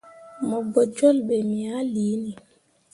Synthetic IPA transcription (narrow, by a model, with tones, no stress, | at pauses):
mɔ˨bɔ˨d͡ʒɔ˦lɓɛ˨mi˨a˦liː˨˦ni˨